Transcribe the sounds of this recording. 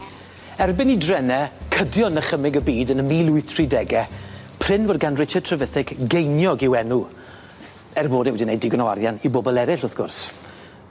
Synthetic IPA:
ɛrbɪnidrɛnɛkʰədjɔnəχəmɪɡəbiːdənəmiːlˠʊɨθtʰridɛɡɛ | pʰr̥ɪnvoːd̚ɡanrɪt͡ʃətʰrəvəθɪɡɡejnjɔɡɪwɛnu | ɛrboːdɛwɛdinejdɪɡɔnawa̰ɾjaniboːbɔlˠɛɾɪɬʊθɡ̥ʊ̰rs

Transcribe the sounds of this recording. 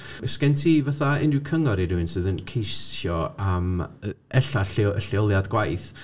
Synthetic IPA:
skɛntʰivaθaɪndɪkʰəŋɔɾiɾɪɪnsɨðənkʰejsjɔam | ɛɬaɬəɬɪɔlˠjadɡwajθ

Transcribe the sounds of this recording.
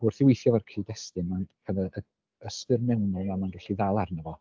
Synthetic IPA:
bʊr̥θɪwejθjɔvarkʰiːdɛstɨnmankʰɛðəə | əstɪrmɛwnɔlamanrʊɬiðalˠarnəvɔ

